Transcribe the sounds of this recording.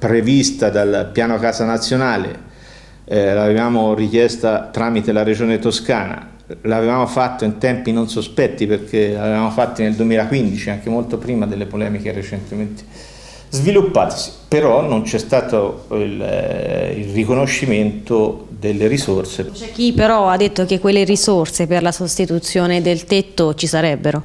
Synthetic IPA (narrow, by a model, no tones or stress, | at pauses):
pɾevist̪ad̪alpjaːnokaːzanat̪sːjonaːlḛ | lavevaːmorik̟jɛst̪at̪ɾaːmit̪elaɾed͡ʒoːnet̪oskaːna̰ | laːvevaːmofat̪ːoint̪ɛmpinonsospɛt̪ːiperk̟elavevaːmofat̪ːoneld̪uwemiːlakwind̪it͡ʃiaŋk̟emolt̪opɾiːmad̪elːepolɛːmik̟eret͡ʃent̪ement̪e̥ | zvilupːaːt̪e̥si̥peɾɔnːont͡ʃɛst̪aːt̪oil | ḭlrikonoʃːiment̪od̪elːeɾisorsepk̟ːipːeɾɔad̪ːet̪ːok̟ekːwelːeɾisorseperlasost̪it̪ut̪sːjoːned̪elt̪et̪ːot͡ʃisaɾɛbːeɾo